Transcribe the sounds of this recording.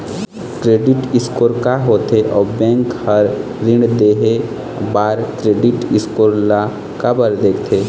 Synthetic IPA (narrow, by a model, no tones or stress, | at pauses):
kɾeːɖɪʈɪskoːɾkaɦoːt̪eʔɔːbɛ̃ːŋkhəɾ | ɾɪ̃ɳd̪eːɦe | baːɾkɾeːɖɪʈɪskoːɾla | kabəɾd̪eːkʰt̪ʰeː